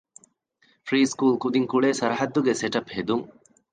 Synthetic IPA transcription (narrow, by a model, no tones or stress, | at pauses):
fɾiːskuːlkud̪iŋkuɭeːsɐɾɐɦɐd̪ːuɡeseʈɐphed̪uŋ